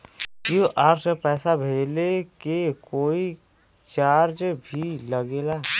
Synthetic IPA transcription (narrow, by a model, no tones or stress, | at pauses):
kuʔaːɾsepɛːsabʱeːlekekoːi | t͡ʃaːɾd͡ʒbʱiləɡeːlaː